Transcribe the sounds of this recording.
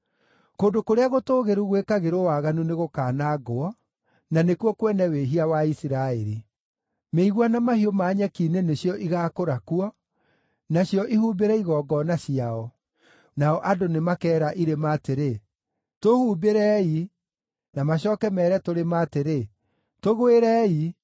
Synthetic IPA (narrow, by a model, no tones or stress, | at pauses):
koːndokoɾeaɣotoːɣeɾuɣwekaɣeɾowaːɣanuneɣokaːnaɡoɔ | nanekuɔkwɛnɛweɦiawaisiɾaeɾi | meiɣwanamahiomaːɲɛkiːneneɕjɔʔiɣakoɾakuɔ | naɕijɔʔihuːbeɾɛiɣɔːɡɔnaɕiaɔ | naɔʔadonemakɛːɾaʔiɾemaːteɾe | tohubeɾɛi | namaɕɔːkɛmɛːɾɛtoɾemaːteɾe | toɣweɾɛi